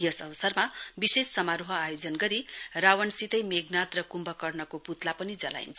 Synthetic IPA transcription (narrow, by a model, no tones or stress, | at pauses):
jʌsʌwʌsʌrmabisesːʌmaɾoɦʌajod͡zʌnɡʌɾirawʌnsit̪ʌjmeɡnat̪rʌkumbʌkʌrnʌkoput̪lapʌnid͡zʌla̰j̰nt͡sʰ